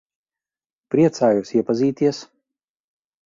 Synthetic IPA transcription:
pɾiɛt̪saːjusiɛpaziːt̪iɛs

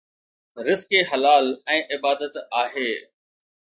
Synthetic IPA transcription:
ɾɪskeɦɐlaːlɛ̃ːʔɪbaːd̪ət̪aːɦeː

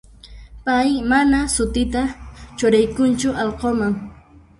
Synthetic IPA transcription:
pajmanasʊt̪ɪt̪at͡ʃʊɾajkʊnt͡ʃʊʔɑlqomaŋ

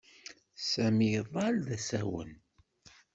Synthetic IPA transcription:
sæmjəðˤɑlðæsæwə̰n

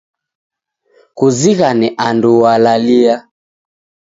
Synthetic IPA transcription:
kuziɣanɛʔanduwalalia

